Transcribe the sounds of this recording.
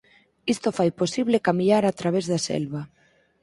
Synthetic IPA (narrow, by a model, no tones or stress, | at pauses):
ist̪ofajposiβlekamiaɾat̪ɾaβezðasɛ̰lβa